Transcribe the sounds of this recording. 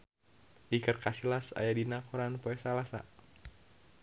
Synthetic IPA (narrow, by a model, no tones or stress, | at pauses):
ʔikərkasilasa̰jadinakuɾanpoɛsalasa̰